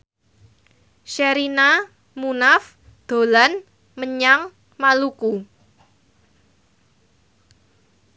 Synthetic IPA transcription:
ʃeɾina | munaf | d̪̥o̤lan | məɲaŋ | maluku

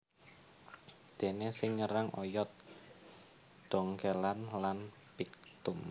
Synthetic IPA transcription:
d̪̥e̤nesɪŋɲəɾaŋʔɔjɔt̪̚ | d̪̥ɔŋkelanlan | pik̚t̪ʊm

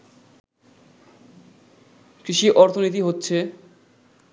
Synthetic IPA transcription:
kɾiʃiʔɔɾt̪ʰonit̪̬iɦotːɕʰe

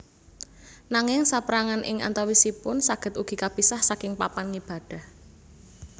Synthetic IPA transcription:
naŋɪŋsapɾaŋanʔɪ̰ŋa̰nt̪awisipʊnsaɡ̥ə̤t̪uɡ̥i̤kab̥isahsakɪŋpapanŋib̥a̤d̥a̤h

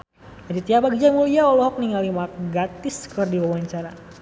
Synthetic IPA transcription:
adit̪iapaɡid͡ʒamuliaɔlɔɦɔk̚niŋalimak̚ɡat̪iskɨrdiwawaɲt͡ʃaɾa

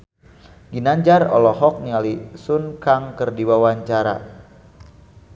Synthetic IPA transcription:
ɡinaɲd͡ʒarɔ̰lɔɦɔk̚nialisunkaŋkərdiwawaɲt͡ʃaɾa̰

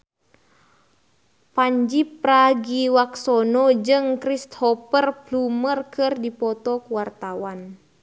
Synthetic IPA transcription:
paɲd͡ʒipːraɡiwaksɔnɔd͡ʒɨŋkɾist̪hɔpərblumərkɨrdipɔt̪ɔkuwart̪awan

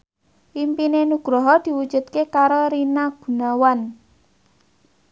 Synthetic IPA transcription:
ʔimpinenuɡ̥ɾɔɦɔd̪̥i̤wud̥d͡ʒ̥ṳt̪̚kekaɾoɾinaɡ̥ṳnawan

